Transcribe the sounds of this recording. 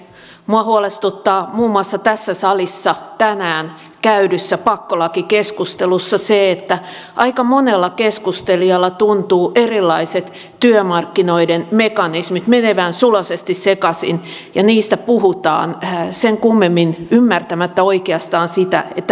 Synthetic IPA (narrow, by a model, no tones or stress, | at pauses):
muɑhuolest̪ut̪ːɑːmuːmːuɑsːɑt̪æsːæsɑlisːɑt̪ænæːn | kæydysːæpɑkːolɑkikeskust̪elusːɑseet̪ːæʔɑikɑmonelːɑkeskust̪eliɑlːɑt̪unt̪uːʔerilːɑiset̪ | t̪yømɑrkːinoidenmekɑnismit̪meneʋæːnsulɑsest̪issekɑsḭn | jɑniːst̪æpuhut̪ɑ̰ːnseŋkumːemːinymːært̪æmæt̪ːæoikeɑst̪ɑːnsit̪æ̰et̪ːæ